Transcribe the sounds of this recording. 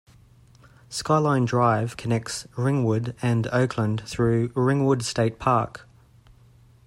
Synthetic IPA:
skɑɪlãɪ̃ndɹaɪv̥kʰənɛk̚tsɹɪ̃ŋwʊdə̃nəʊkʰlə̃nθɹʉːɹɪ̃ŋwʊdsteɪt̚pʰɑˑk

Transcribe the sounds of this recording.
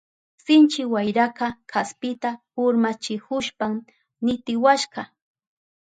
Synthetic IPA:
sɪnt͡ʃɪwajɾakɑkʰaspɪt̪ahʊɾmat͡ʃɪkʊʃpam | nɪt̪ɪwaʃɢɑ

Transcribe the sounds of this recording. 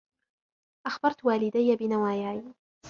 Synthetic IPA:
ʔaxbɑɾˤt̪waːlɪd̪ajːabɪnawaːjaːj

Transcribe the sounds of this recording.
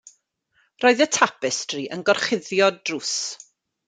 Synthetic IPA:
roːɨðətʰapɪstʰriʔənɡɔrχɪðjɔdrus

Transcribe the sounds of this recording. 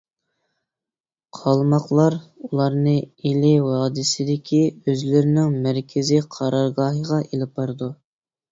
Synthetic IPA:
qʰɑlˠmɑqlˠɑɾulˠɑɾnɨelɪwɑːd̪ɪsɪd̪ɪkʲʰiøzlɪɾɪnɪŋmæɾkʲʰɪzɪqʰɑɾɑɾɡɑːɦəʁɑʔelɪpʰɑɾd̪u

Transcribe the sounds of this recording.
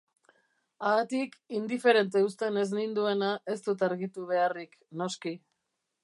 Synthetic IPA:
aat̪ikind̪ife̞ɾe̞nt̪̬e̞ust̪e̞ne̞znind̪ue̞naʔe̞st̪ut̪aɾɣit̪uβ̞e̞arik | no̞ski

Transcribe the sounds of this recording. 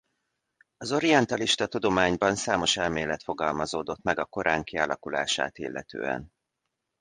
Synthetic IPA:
ɒzo̞ɾiɛnt̪ɒliʃt̪ɒt̪ud̪o̞maːɲbɒnsaːmo̞ʃɛlmeːlɛt̪fo̞ɡɒlmɒzoːd̪o̞t̪mɛɡɒko̞ɾʔaːŋkialɒkula̰ːʃa̰ːt̪ḭlːɛ̰t̪ø̰ːɛ̰n

